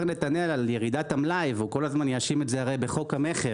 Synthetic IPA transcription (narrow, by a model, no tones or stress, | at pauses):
ʁnet̪anealalje̞ʁid̪at̪amlajvuko̞lazmanjaʃimetzeaʁejbe̞χokhame̞χe